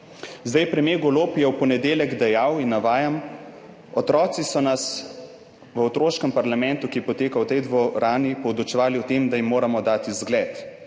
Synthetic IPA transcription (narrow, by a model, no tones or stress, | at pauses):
zd̪ajpɾɛmjeːɡoloːpjɛwpɔnɛd̪eːljɛɡd̪ajawinːaʋaːjam | ɔt̪ɾɔːt̪sisɔnas | ʋəɔt̪ɾoːʃkəmpaɾlamɛ̃nt̪ukijɛpɔt̪eːkawt̪ɛjd̪ʋɔɾaːnipɔwd̪ɔt͡ʃɛʋaːliɔt̪emd̪ajimːoːɾamɔd̪aːt̪izɡlɛːt̪